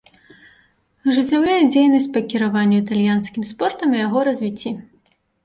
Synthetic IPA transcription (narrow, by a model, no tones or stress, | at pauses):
ʐɨt͡sʲːawɾʲajɛd͡zʲejnɐsʲt͡sʲpɐkʲiɾavanʲːuit̪alʲjanskʲimspɔrt̪ɐmijaɣɔɾɐzʲvʲit͡sʲːi